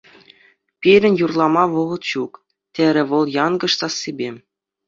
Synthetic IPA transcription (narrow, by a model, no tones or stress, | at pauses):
pʲiɾʲɘ̆nʲjurlˠɑmɑʋɤ̆ʁɤ̆t̪ɕuk | t̪ʲeɾʲɘ̆ʋɤ̆lˠjɑnɡɤ̆ʂt̪ɑsːebʲe